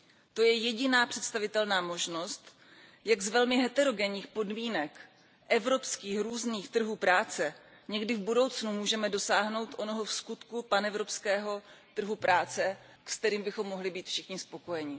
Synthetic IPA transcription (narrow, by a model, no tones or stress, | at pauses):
t̪o̞jɛjɛɟɪnaːpr̝̥ɛt̪st̪avɪt̪ɛlnaːmo̞ʒno̞st̪ | jaɡzvɛlmɪɦɛt̪ɛɾo̞ɡɛɲiːxpo̞dmiːnɛk | ʔɛvɾo̞pskiːxɾuːzniːxt̪r̩ɦuːpɾaːt͡sɛ | ɲɛɡdɪvbudo̞wt͡snumuːʒɛmɛdo̞saːɦno̞wt̪ʔo̞no̞ɦofskut̪kupanɛvɾo̞pskɛːɦo̞t̪r̩ɦupɾʔaːt͡sɛ | kst̪ɛɾiːmbɪxo̞mːo̞ɦlɪbiːt̪fʃɪxɲɪspo̞ko̞jɛɲɪ